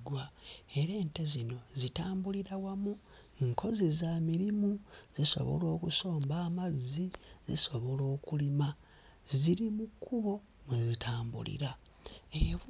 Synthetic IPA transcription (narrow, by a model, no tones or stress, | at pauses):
ɡwae̞ɾe̞ːntezino̞zitaːmbuliɾawamu | ŋkʰo̞zizamiɾimuziso̞̰βo̰lo̞ːkuso̞ːmbaːmazːizḭso̞βo̞lo̞ːkulima | ziɾimukʰːuβo̞ | mwezitʰaːmbṵlḭɾa | eβ